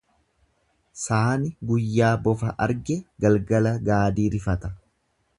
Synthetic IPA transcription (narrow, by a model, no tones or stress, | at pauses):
saːnɪɡʊjːaːbɔfɐʔɐɾɡɛɡɐlɡɐlɐɡaːd̪iːɾɪfɐt̪ɐ